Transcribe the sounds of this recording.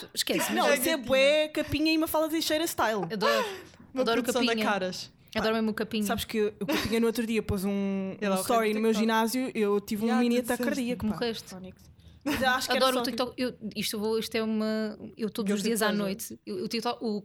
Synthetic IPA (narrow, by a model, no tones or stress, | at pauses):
ʃkɛsnɐ̃w̃t̪ẽmpuɛkɐpiɲɐiumɐfalˠɐðɐʃɐjɾɐʃt̪ajlˠɐðɔɾmɐðɔɾukɐɐ̃piɲɐkaɾɐʃ | ɐðɔɾmemukɐpiɲɐsaβʃkeukɐpiɲɐnuot̪ɾuðiɐpozũt̪ɔɾinumewʒinazjuewt̪ivũminit̪ɐkɐɾðiɐkmuʁeʃt̪nik | zaʃkɐɛɾðɔɾut̪ikt̪ɔkewiʃt̪ewvoiʃt̪ɛumɐewt̪od̪zuʒðiɐzanojt̪ewewt̪it̪ɔu